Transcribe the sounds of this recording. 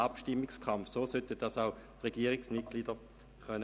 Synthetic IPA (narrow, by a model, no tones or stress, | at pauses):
ɑpʃtɪmːɪkskʰɑmfsoːsœt̪əd̥ɑsaʊtʁɛɡiːəʁɪksmɪt̚ɡ̥liːdə | χœn